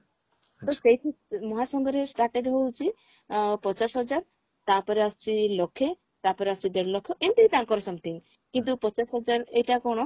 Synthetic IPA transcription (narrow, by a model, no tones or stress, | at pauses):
t̪osejʈʰimɔɦasɔŋɡɔɾesʈaɾʈeɖɦowt͡ʃʰi | pɔt͡ʃasɦɔd͡ʒaɾ | t̪apɔɾeast͡ʃʰilɔkʰːe | t̪apɔɾeast͡ʃʰid̪eɾlɔkʰːjɔʔent̪iit̪ãŋkɔɾɔsɔmt̪ʰiŋ | kint̪̬upɔt͡ʃasɦɔd͡ʒaɾejʈakɔɽ̃ɔ